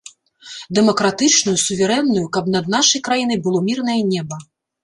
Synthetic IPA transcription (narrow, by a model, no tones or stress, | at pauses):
d̪ɛmɐkɾat̪ɨt͡ʂnujusuvʲɛɾɛnːujukɐbnɐd̪̚naʂɐjkɾajinɐjbɨlˠɔmʲirnɐjɐnʲɛbɐ